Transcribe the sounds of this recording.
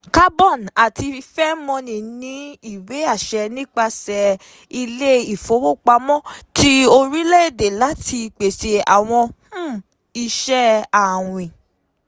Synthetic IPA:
ka˦bɔ˦˨na˨ti˧fɛ˦mɔ̃˧nĩ˨nĩ˨˦i˦˨we˨˦a˦˨ʃɛ˧nĩ˦k͡pa˧sɛ˧ | i˧le˦i˨fo˨˦wo˦˨k͡pa˧mɔ̃˦ti˦o˧ɾi˦le˦e˨de˨la˨˦ti˧k͡pe˨ʃe˧a̰˨w̃ɔ̃˧h̩˦ | i˧ʃɛ˦a˨w̃ĩ˨

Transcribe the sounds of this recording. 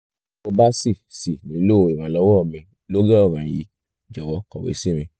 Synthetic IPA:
o˧ba˦si˦˨si˨nĩ˨˦lo˦˧i˨mã˨˦lɔ˧˦wɔ˦˨mĩ˧ | lo˦ɡa˦ɔ˦˨mã˨jḭ˨˦ | d͡ʒɔ˨wɔ˧˦kɔ˨wḛ˨˦si˦mĩ˧

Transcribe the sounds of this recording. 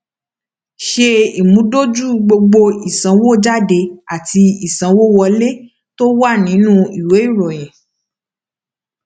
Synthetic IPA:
ʃe˧i˨mũ˨˦do˦d͡ʒu˦ɡ͡bo˧ɡ͡bo˧i˨sã˨˦wo˦˨˦d͡ʒa˦de˧a˨ti˧i˨sã˨˧wo˦wɔ˧le˦ | to˦wa˦˨nĩ˨˦nũ˦i˨we˨˦i˦˨ɾɔ˨j̃ɛ̃˨

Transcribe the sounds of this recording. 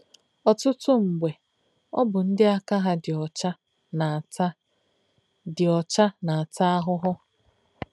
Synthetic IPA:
ɔ˨tʊ˦tʊ˦ŋ͡m̩˨ɡ͡be˨ | ɔ̰˦bʊ˨n̩˦dɪ˦a˦ka˦ɦa˦dɪ˨ɔ˨t͡ʃa˦ | na˨˦ | dɪ˨ɔ˨t͡ʃa˦na˨a˨ta˦a˦ɦʊ˦ɦʊ˦

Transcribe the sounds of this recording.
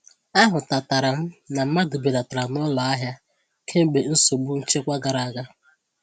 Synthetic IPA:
a˦ɦʊ˨ta˨ta˨ɾa˨m̩˦na˨m̩˦ma˦dʊ˨be˨da˨ta˨ɾa˨nɔ˦lɔ˨a˦ɦja˦ | kʰe˦m̩˦ɡ͡be˨n̩˦so˨bu˦n̩˦t͡ʃe˦kʷa˦ɡa˨ɾa˨a˨ɡa˦

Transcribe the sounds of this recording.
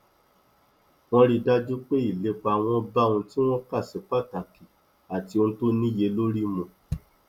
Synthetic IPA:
w̃ɔ̃˦ɾi˧da˦d͡ʒu˦k͡pe˦i˦˨le˨˦k͡pa˧˨w̃ɔ̃˧˦ba˦ũ˧ti˦w̃ɔ̃˦ka˦˨si˨˦k͡pa˦˨ta˨ki˨ | a˨ti˧õ˧to˦nĩ˦je˧lo˦ɾi˦mũ˨

